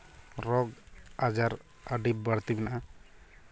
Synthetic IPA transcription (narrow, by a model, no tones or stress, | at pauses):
ɾɔɡad͡ʒaɾ | əɖip̚bəɽt̪ibɛnaʔa